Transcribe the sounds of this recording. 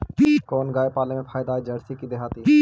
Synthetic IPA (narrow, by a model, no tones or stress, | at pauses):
pikɔːnɡaːepaːlemẽpʰaːjd̪aːed͡ʒɐɽsikid̪eɦaːt̪i